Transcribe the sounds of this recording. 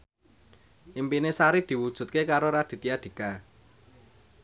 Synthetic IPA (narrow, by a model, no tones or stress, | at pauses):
ʔimpinesaɾid̪̥i̤wud̥ʒ̥ṳt̪̚kekaɾoɾad̪̥i̤t̪iad̪̥i̤ka